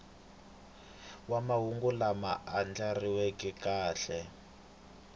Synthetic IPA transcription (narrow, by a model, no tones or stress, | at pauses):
wamaɦuŋɡulama̰ʔand͡ɮariwekikaːɬɛ